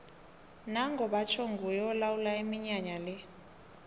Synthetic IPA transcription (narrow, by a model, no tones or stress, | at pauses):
naŋɡʱɔɓat͡ʃʰoŋɡʱujɔɔlawulaimiɲaɲalɛ